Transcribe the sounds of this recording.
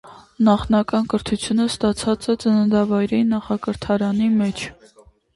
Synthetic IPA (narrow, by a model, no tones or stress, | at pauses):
nɑχnɑkɑnkəɾt̪ʰut͡sʰjunəst̪ɑt͡sʰɑt͡sɛt͡sənənd̪ɑvɑjɾɛinɑχɑkəɾt̪ʰɑɾɑnimɛt͡ʃʰ